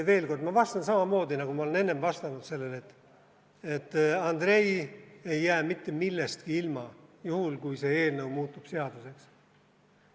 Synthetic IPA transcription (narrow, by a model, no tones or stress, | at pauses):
ve̞ːlko̞rd̪mɑvɑst̪ɑnsɑmɑmo̞ːd̪inɑɡ̥umɑolene̞nːe̞mvɑst̪ɑnud̪̥se̞lːele̞t̪ːˑ | et̪ːˑɑnd̪̥re̞je̞jːæːmit̪ːe̞milːest̪̚kiilmɑjuhulkujse̞e̞ːlnəwmuːt̪ːˑub̥se̞ɑd̪̥use̞ks